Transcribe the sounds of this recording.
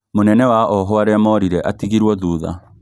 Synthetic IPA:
monɛnɛwaʔɔɦɔaɾeamɔɾiɾɛʔatiɣiɾwɔðuːða̰

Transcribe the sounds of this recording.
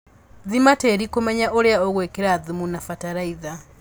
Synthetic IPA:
ðimateɾikumeɲaʔoɾeaoɣwekeɾaðimunafataɾaiða

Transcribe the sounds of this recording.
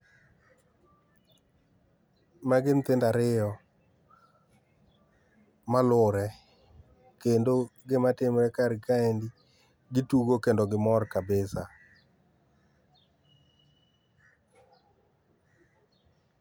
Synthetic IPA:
maɡɪnt̪ɪndaɾɪjɔ | malʊɾɛ | kendoɡɪmatɪmɾɛkaɾkaendi | ɡɪtuɡokendoɡɪmɔrkabɪsa

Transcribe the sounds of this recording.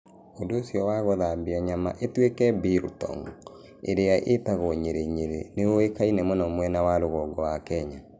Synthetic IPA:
ondoːsjɔwaɣoðaːmbiaɲama̰ʔetwekɛbiɾtɔ̰ŋ | ḛɾeaʔetaɣɔɲeɾeɲeɾḛneoekainɛmɔnɔmwɛnawaɾoɣɔɡɔwakɛɲa

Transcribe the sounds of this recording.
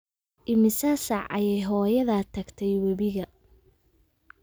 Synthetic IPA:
ʔɪmɪsɐsɐʕɐ̰jɛjɦɔːjɐðɐt̪ʰɐɡt̪ʰɛjwɐβɪɣɐ

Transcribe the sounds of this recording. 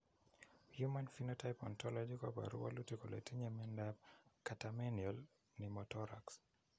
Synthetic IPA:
hjumanfinotajpɔntɔlɔd͡ʒikɔpa̰ɾṵwa̰lutikolḛtiɲemɛndab̚katamɛniɔl | nimɔtɔɾa̰ks

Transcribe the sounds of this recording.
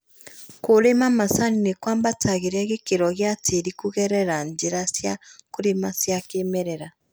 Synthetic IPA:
koɾemamasaninekwaːmbatʰaɣeɾɛɣekeɾɔɣjatʰeɾikuɣɛɾɛɾaɲd͡ʒeɾasjakoɾemasjakemɛɾɛɾa

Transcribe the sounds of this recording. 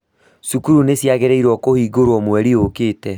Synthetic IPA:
sukuɾunesjaɣeɾɛiɾwɔkohiːɡoɾwɔmwɛɾiokeːtɛ

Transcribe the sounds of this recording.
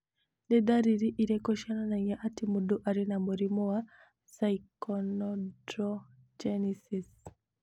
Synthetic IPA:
nɛd̪aɾiɾiʔiɾɛkɔʃananaiaʔatimuduʔaɾinamuɾimɔwa | saikɔnɔdɾɔ | d͡ʒɛnisis

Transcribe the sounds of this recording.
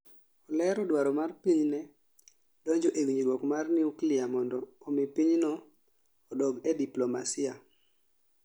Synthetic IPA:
ɔlɛɾɔdwaɾɔmarpiɲnɛ | dɔɲd͡ʒoʔewiɲdwɔkmarniuklɪamɔndɔːmipiɲnɔː | dɔɡɛdiplomasɪa

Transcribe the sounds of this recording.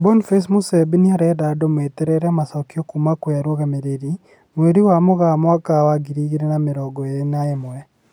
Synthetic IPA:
bɔnfesmusɛbiniaɾɛdadɔmwetɛɾɛɾɛmasakjokumakweaɾwɔɣameɾeɾi | mweɾiwamoɣamwakawaɡiɾiɣiɾenameɾɔɡɔeɾenaemɔɛ

